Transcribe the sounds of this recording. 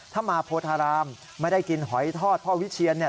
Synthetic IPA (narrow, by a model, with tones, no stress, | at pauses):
t̪ʰaː˥˩maː˧pʰoː˧t̪ʰaː˧ɾaː˧mː | a˥˩da˥˩jki˧nɦɔ˩˦jt̪ʰɔː˥˩t̪̚pʰɔ˦˥˩wi˦˥t͡ɕʰi˧ənːi˥˩ɐ